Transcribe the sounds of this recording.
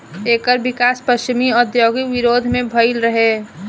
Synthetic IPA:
eːkəɾbɪkaːspəʃt͡ʃɪmiɔːɾd̪joːɡiʋɪɾoːd̪ʱmẽbʱəɪlɾəɦeː

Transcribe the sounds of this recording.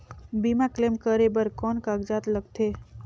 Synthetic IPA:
bimaklemkəɾebəɾkɔːnkaɡd͡ʒat̪ləɡt̪ʰe

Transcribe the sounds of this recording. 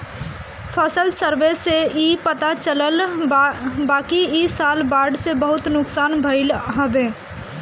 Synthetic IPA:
pʰəsəlsəɾʋeseiːpət̪at͡ʃələl | baːkiisaːlbaːɾɖsebəɦʊt̪nʊksaːnbʱəɪlɦəʋeː

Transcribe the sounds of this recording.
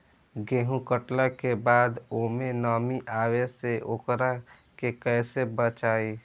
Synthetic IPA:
ɡeːɦũkəʈlakebaːd̪oːmenɔːmiʔaːweseʔokɾa | kekɛːsebət͡ʃaːi

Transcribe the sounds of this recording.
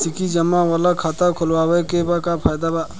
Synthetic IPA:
sikid͡ʒəmːawalakʰat̪akʰʊlwawəjkebakapʰaːjd̪aba

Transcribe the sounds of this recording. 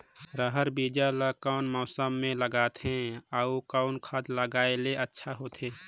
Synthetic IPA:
ɾəɦəɾbid͡ʒaləkəʊnmɔːsəmːẽləɡaːt̪ɦɛ̃aukaʊnkʰəd̪ləɡaːeleətːʃʰaɦot̪ɦẽː

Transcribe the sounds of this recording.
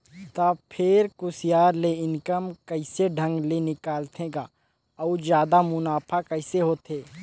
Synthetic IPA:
t̪aːpʰɪɾkʊsɪjaːɾleɪnkəmkəɪseɖʱə̃ŋɡlenɪkaːlt̪ʰẽɡaː | ɔd͡ʒjaːd̪amʊnaːpʰakɐɪseɦoːt̪ʰeː

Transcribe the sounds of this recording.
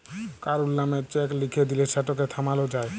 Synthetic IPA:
kaɾulnamet͡ɕɛklikʰed̪ileʃʰɛʈok̬et̪ʰamalod͡ʑae

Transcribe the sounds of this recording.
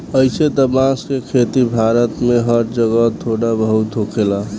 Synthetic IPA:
əɪsed̪əmãskekʰet̪ibʱaɾət̪meɦəɾd͡ʒəɡət̪ʰoɽabəɦut̪ɦokʰela

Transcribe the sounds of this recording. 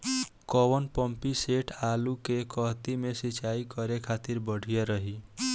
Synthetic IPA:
kɔwənpəmpiseʈʰalukekəɦt̪imesit͡ʃaikəɾekʰat̪iɾbəɽ̤ʱijeɾəɦi

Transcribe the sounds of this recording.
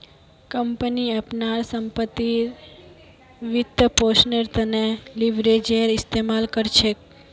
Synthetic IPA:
kəmpəniəpnaɾsəmpət̪ːi | ʋɪt̪ːəposnəɾt̪əneliʋɾed͡ʒeəɾɪst̪emalkəɾt͡ʃʰe

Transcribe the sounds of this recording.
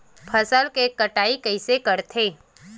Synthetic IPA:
pʰəsəlkekɐʈaːikɐɪsekɐɾt̪ʰeː

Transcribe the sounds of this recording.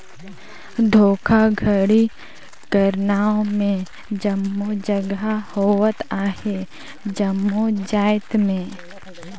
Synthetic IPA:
d̪ʱoːkʰaɡʱəɽi | kəɾnaːõmẽ | d͡ʒəmːod͡ʒəɡɦahoːwət̪aːhe | d͡ʒəmːod͡ʒaːɪt̪mẽ

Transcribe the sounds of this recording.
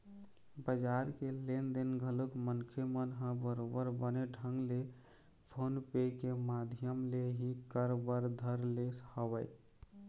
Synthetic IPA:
bəd͡ʒaɾkelend̪enɡʱəlukmənkʰemənɦə̃bəɾobəɾbəneɖʱə̃ŋɡle | pʰonpekemad̪ʱjəmleɦikəɾbəɾd̪ʱəɾleshəbəj

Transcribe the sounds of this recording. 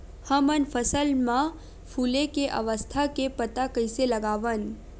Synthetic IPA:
həmənfʰəsəlmã | fʰuːlekeʔə̰ʋəst̪ʰakepət̪akəjseləɡaːʋən

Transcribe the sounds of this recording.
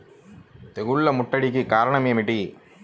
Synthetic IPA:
t̪ɛɣɯɭːɐmʊʈːɐɽik̬ːɯkaːɾɐɳɐmjɐmɪʈːi

